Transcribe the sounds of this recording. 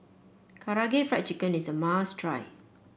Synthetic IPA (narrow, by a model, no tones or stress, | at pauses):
kʰaɹaɡefɹɛk̚tikə̃nisəmastʰɹaɪ